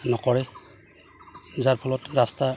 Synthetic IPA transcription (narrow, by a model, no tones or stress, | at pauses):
nɔkɔɹɛ | zaɹpʰɔlɔtɹasta